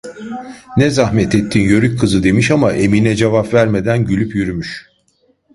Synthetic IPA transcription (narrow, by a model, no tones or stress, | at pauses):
nɛzahmɛt̪et̪ʰːiːnjøɾyc̚ʲkʰːɯzɯd̪e̞miʃamaʔe̞minɛd͡ʒevapvæɾme̞d̪ænɟylʲypjyɾymyʃ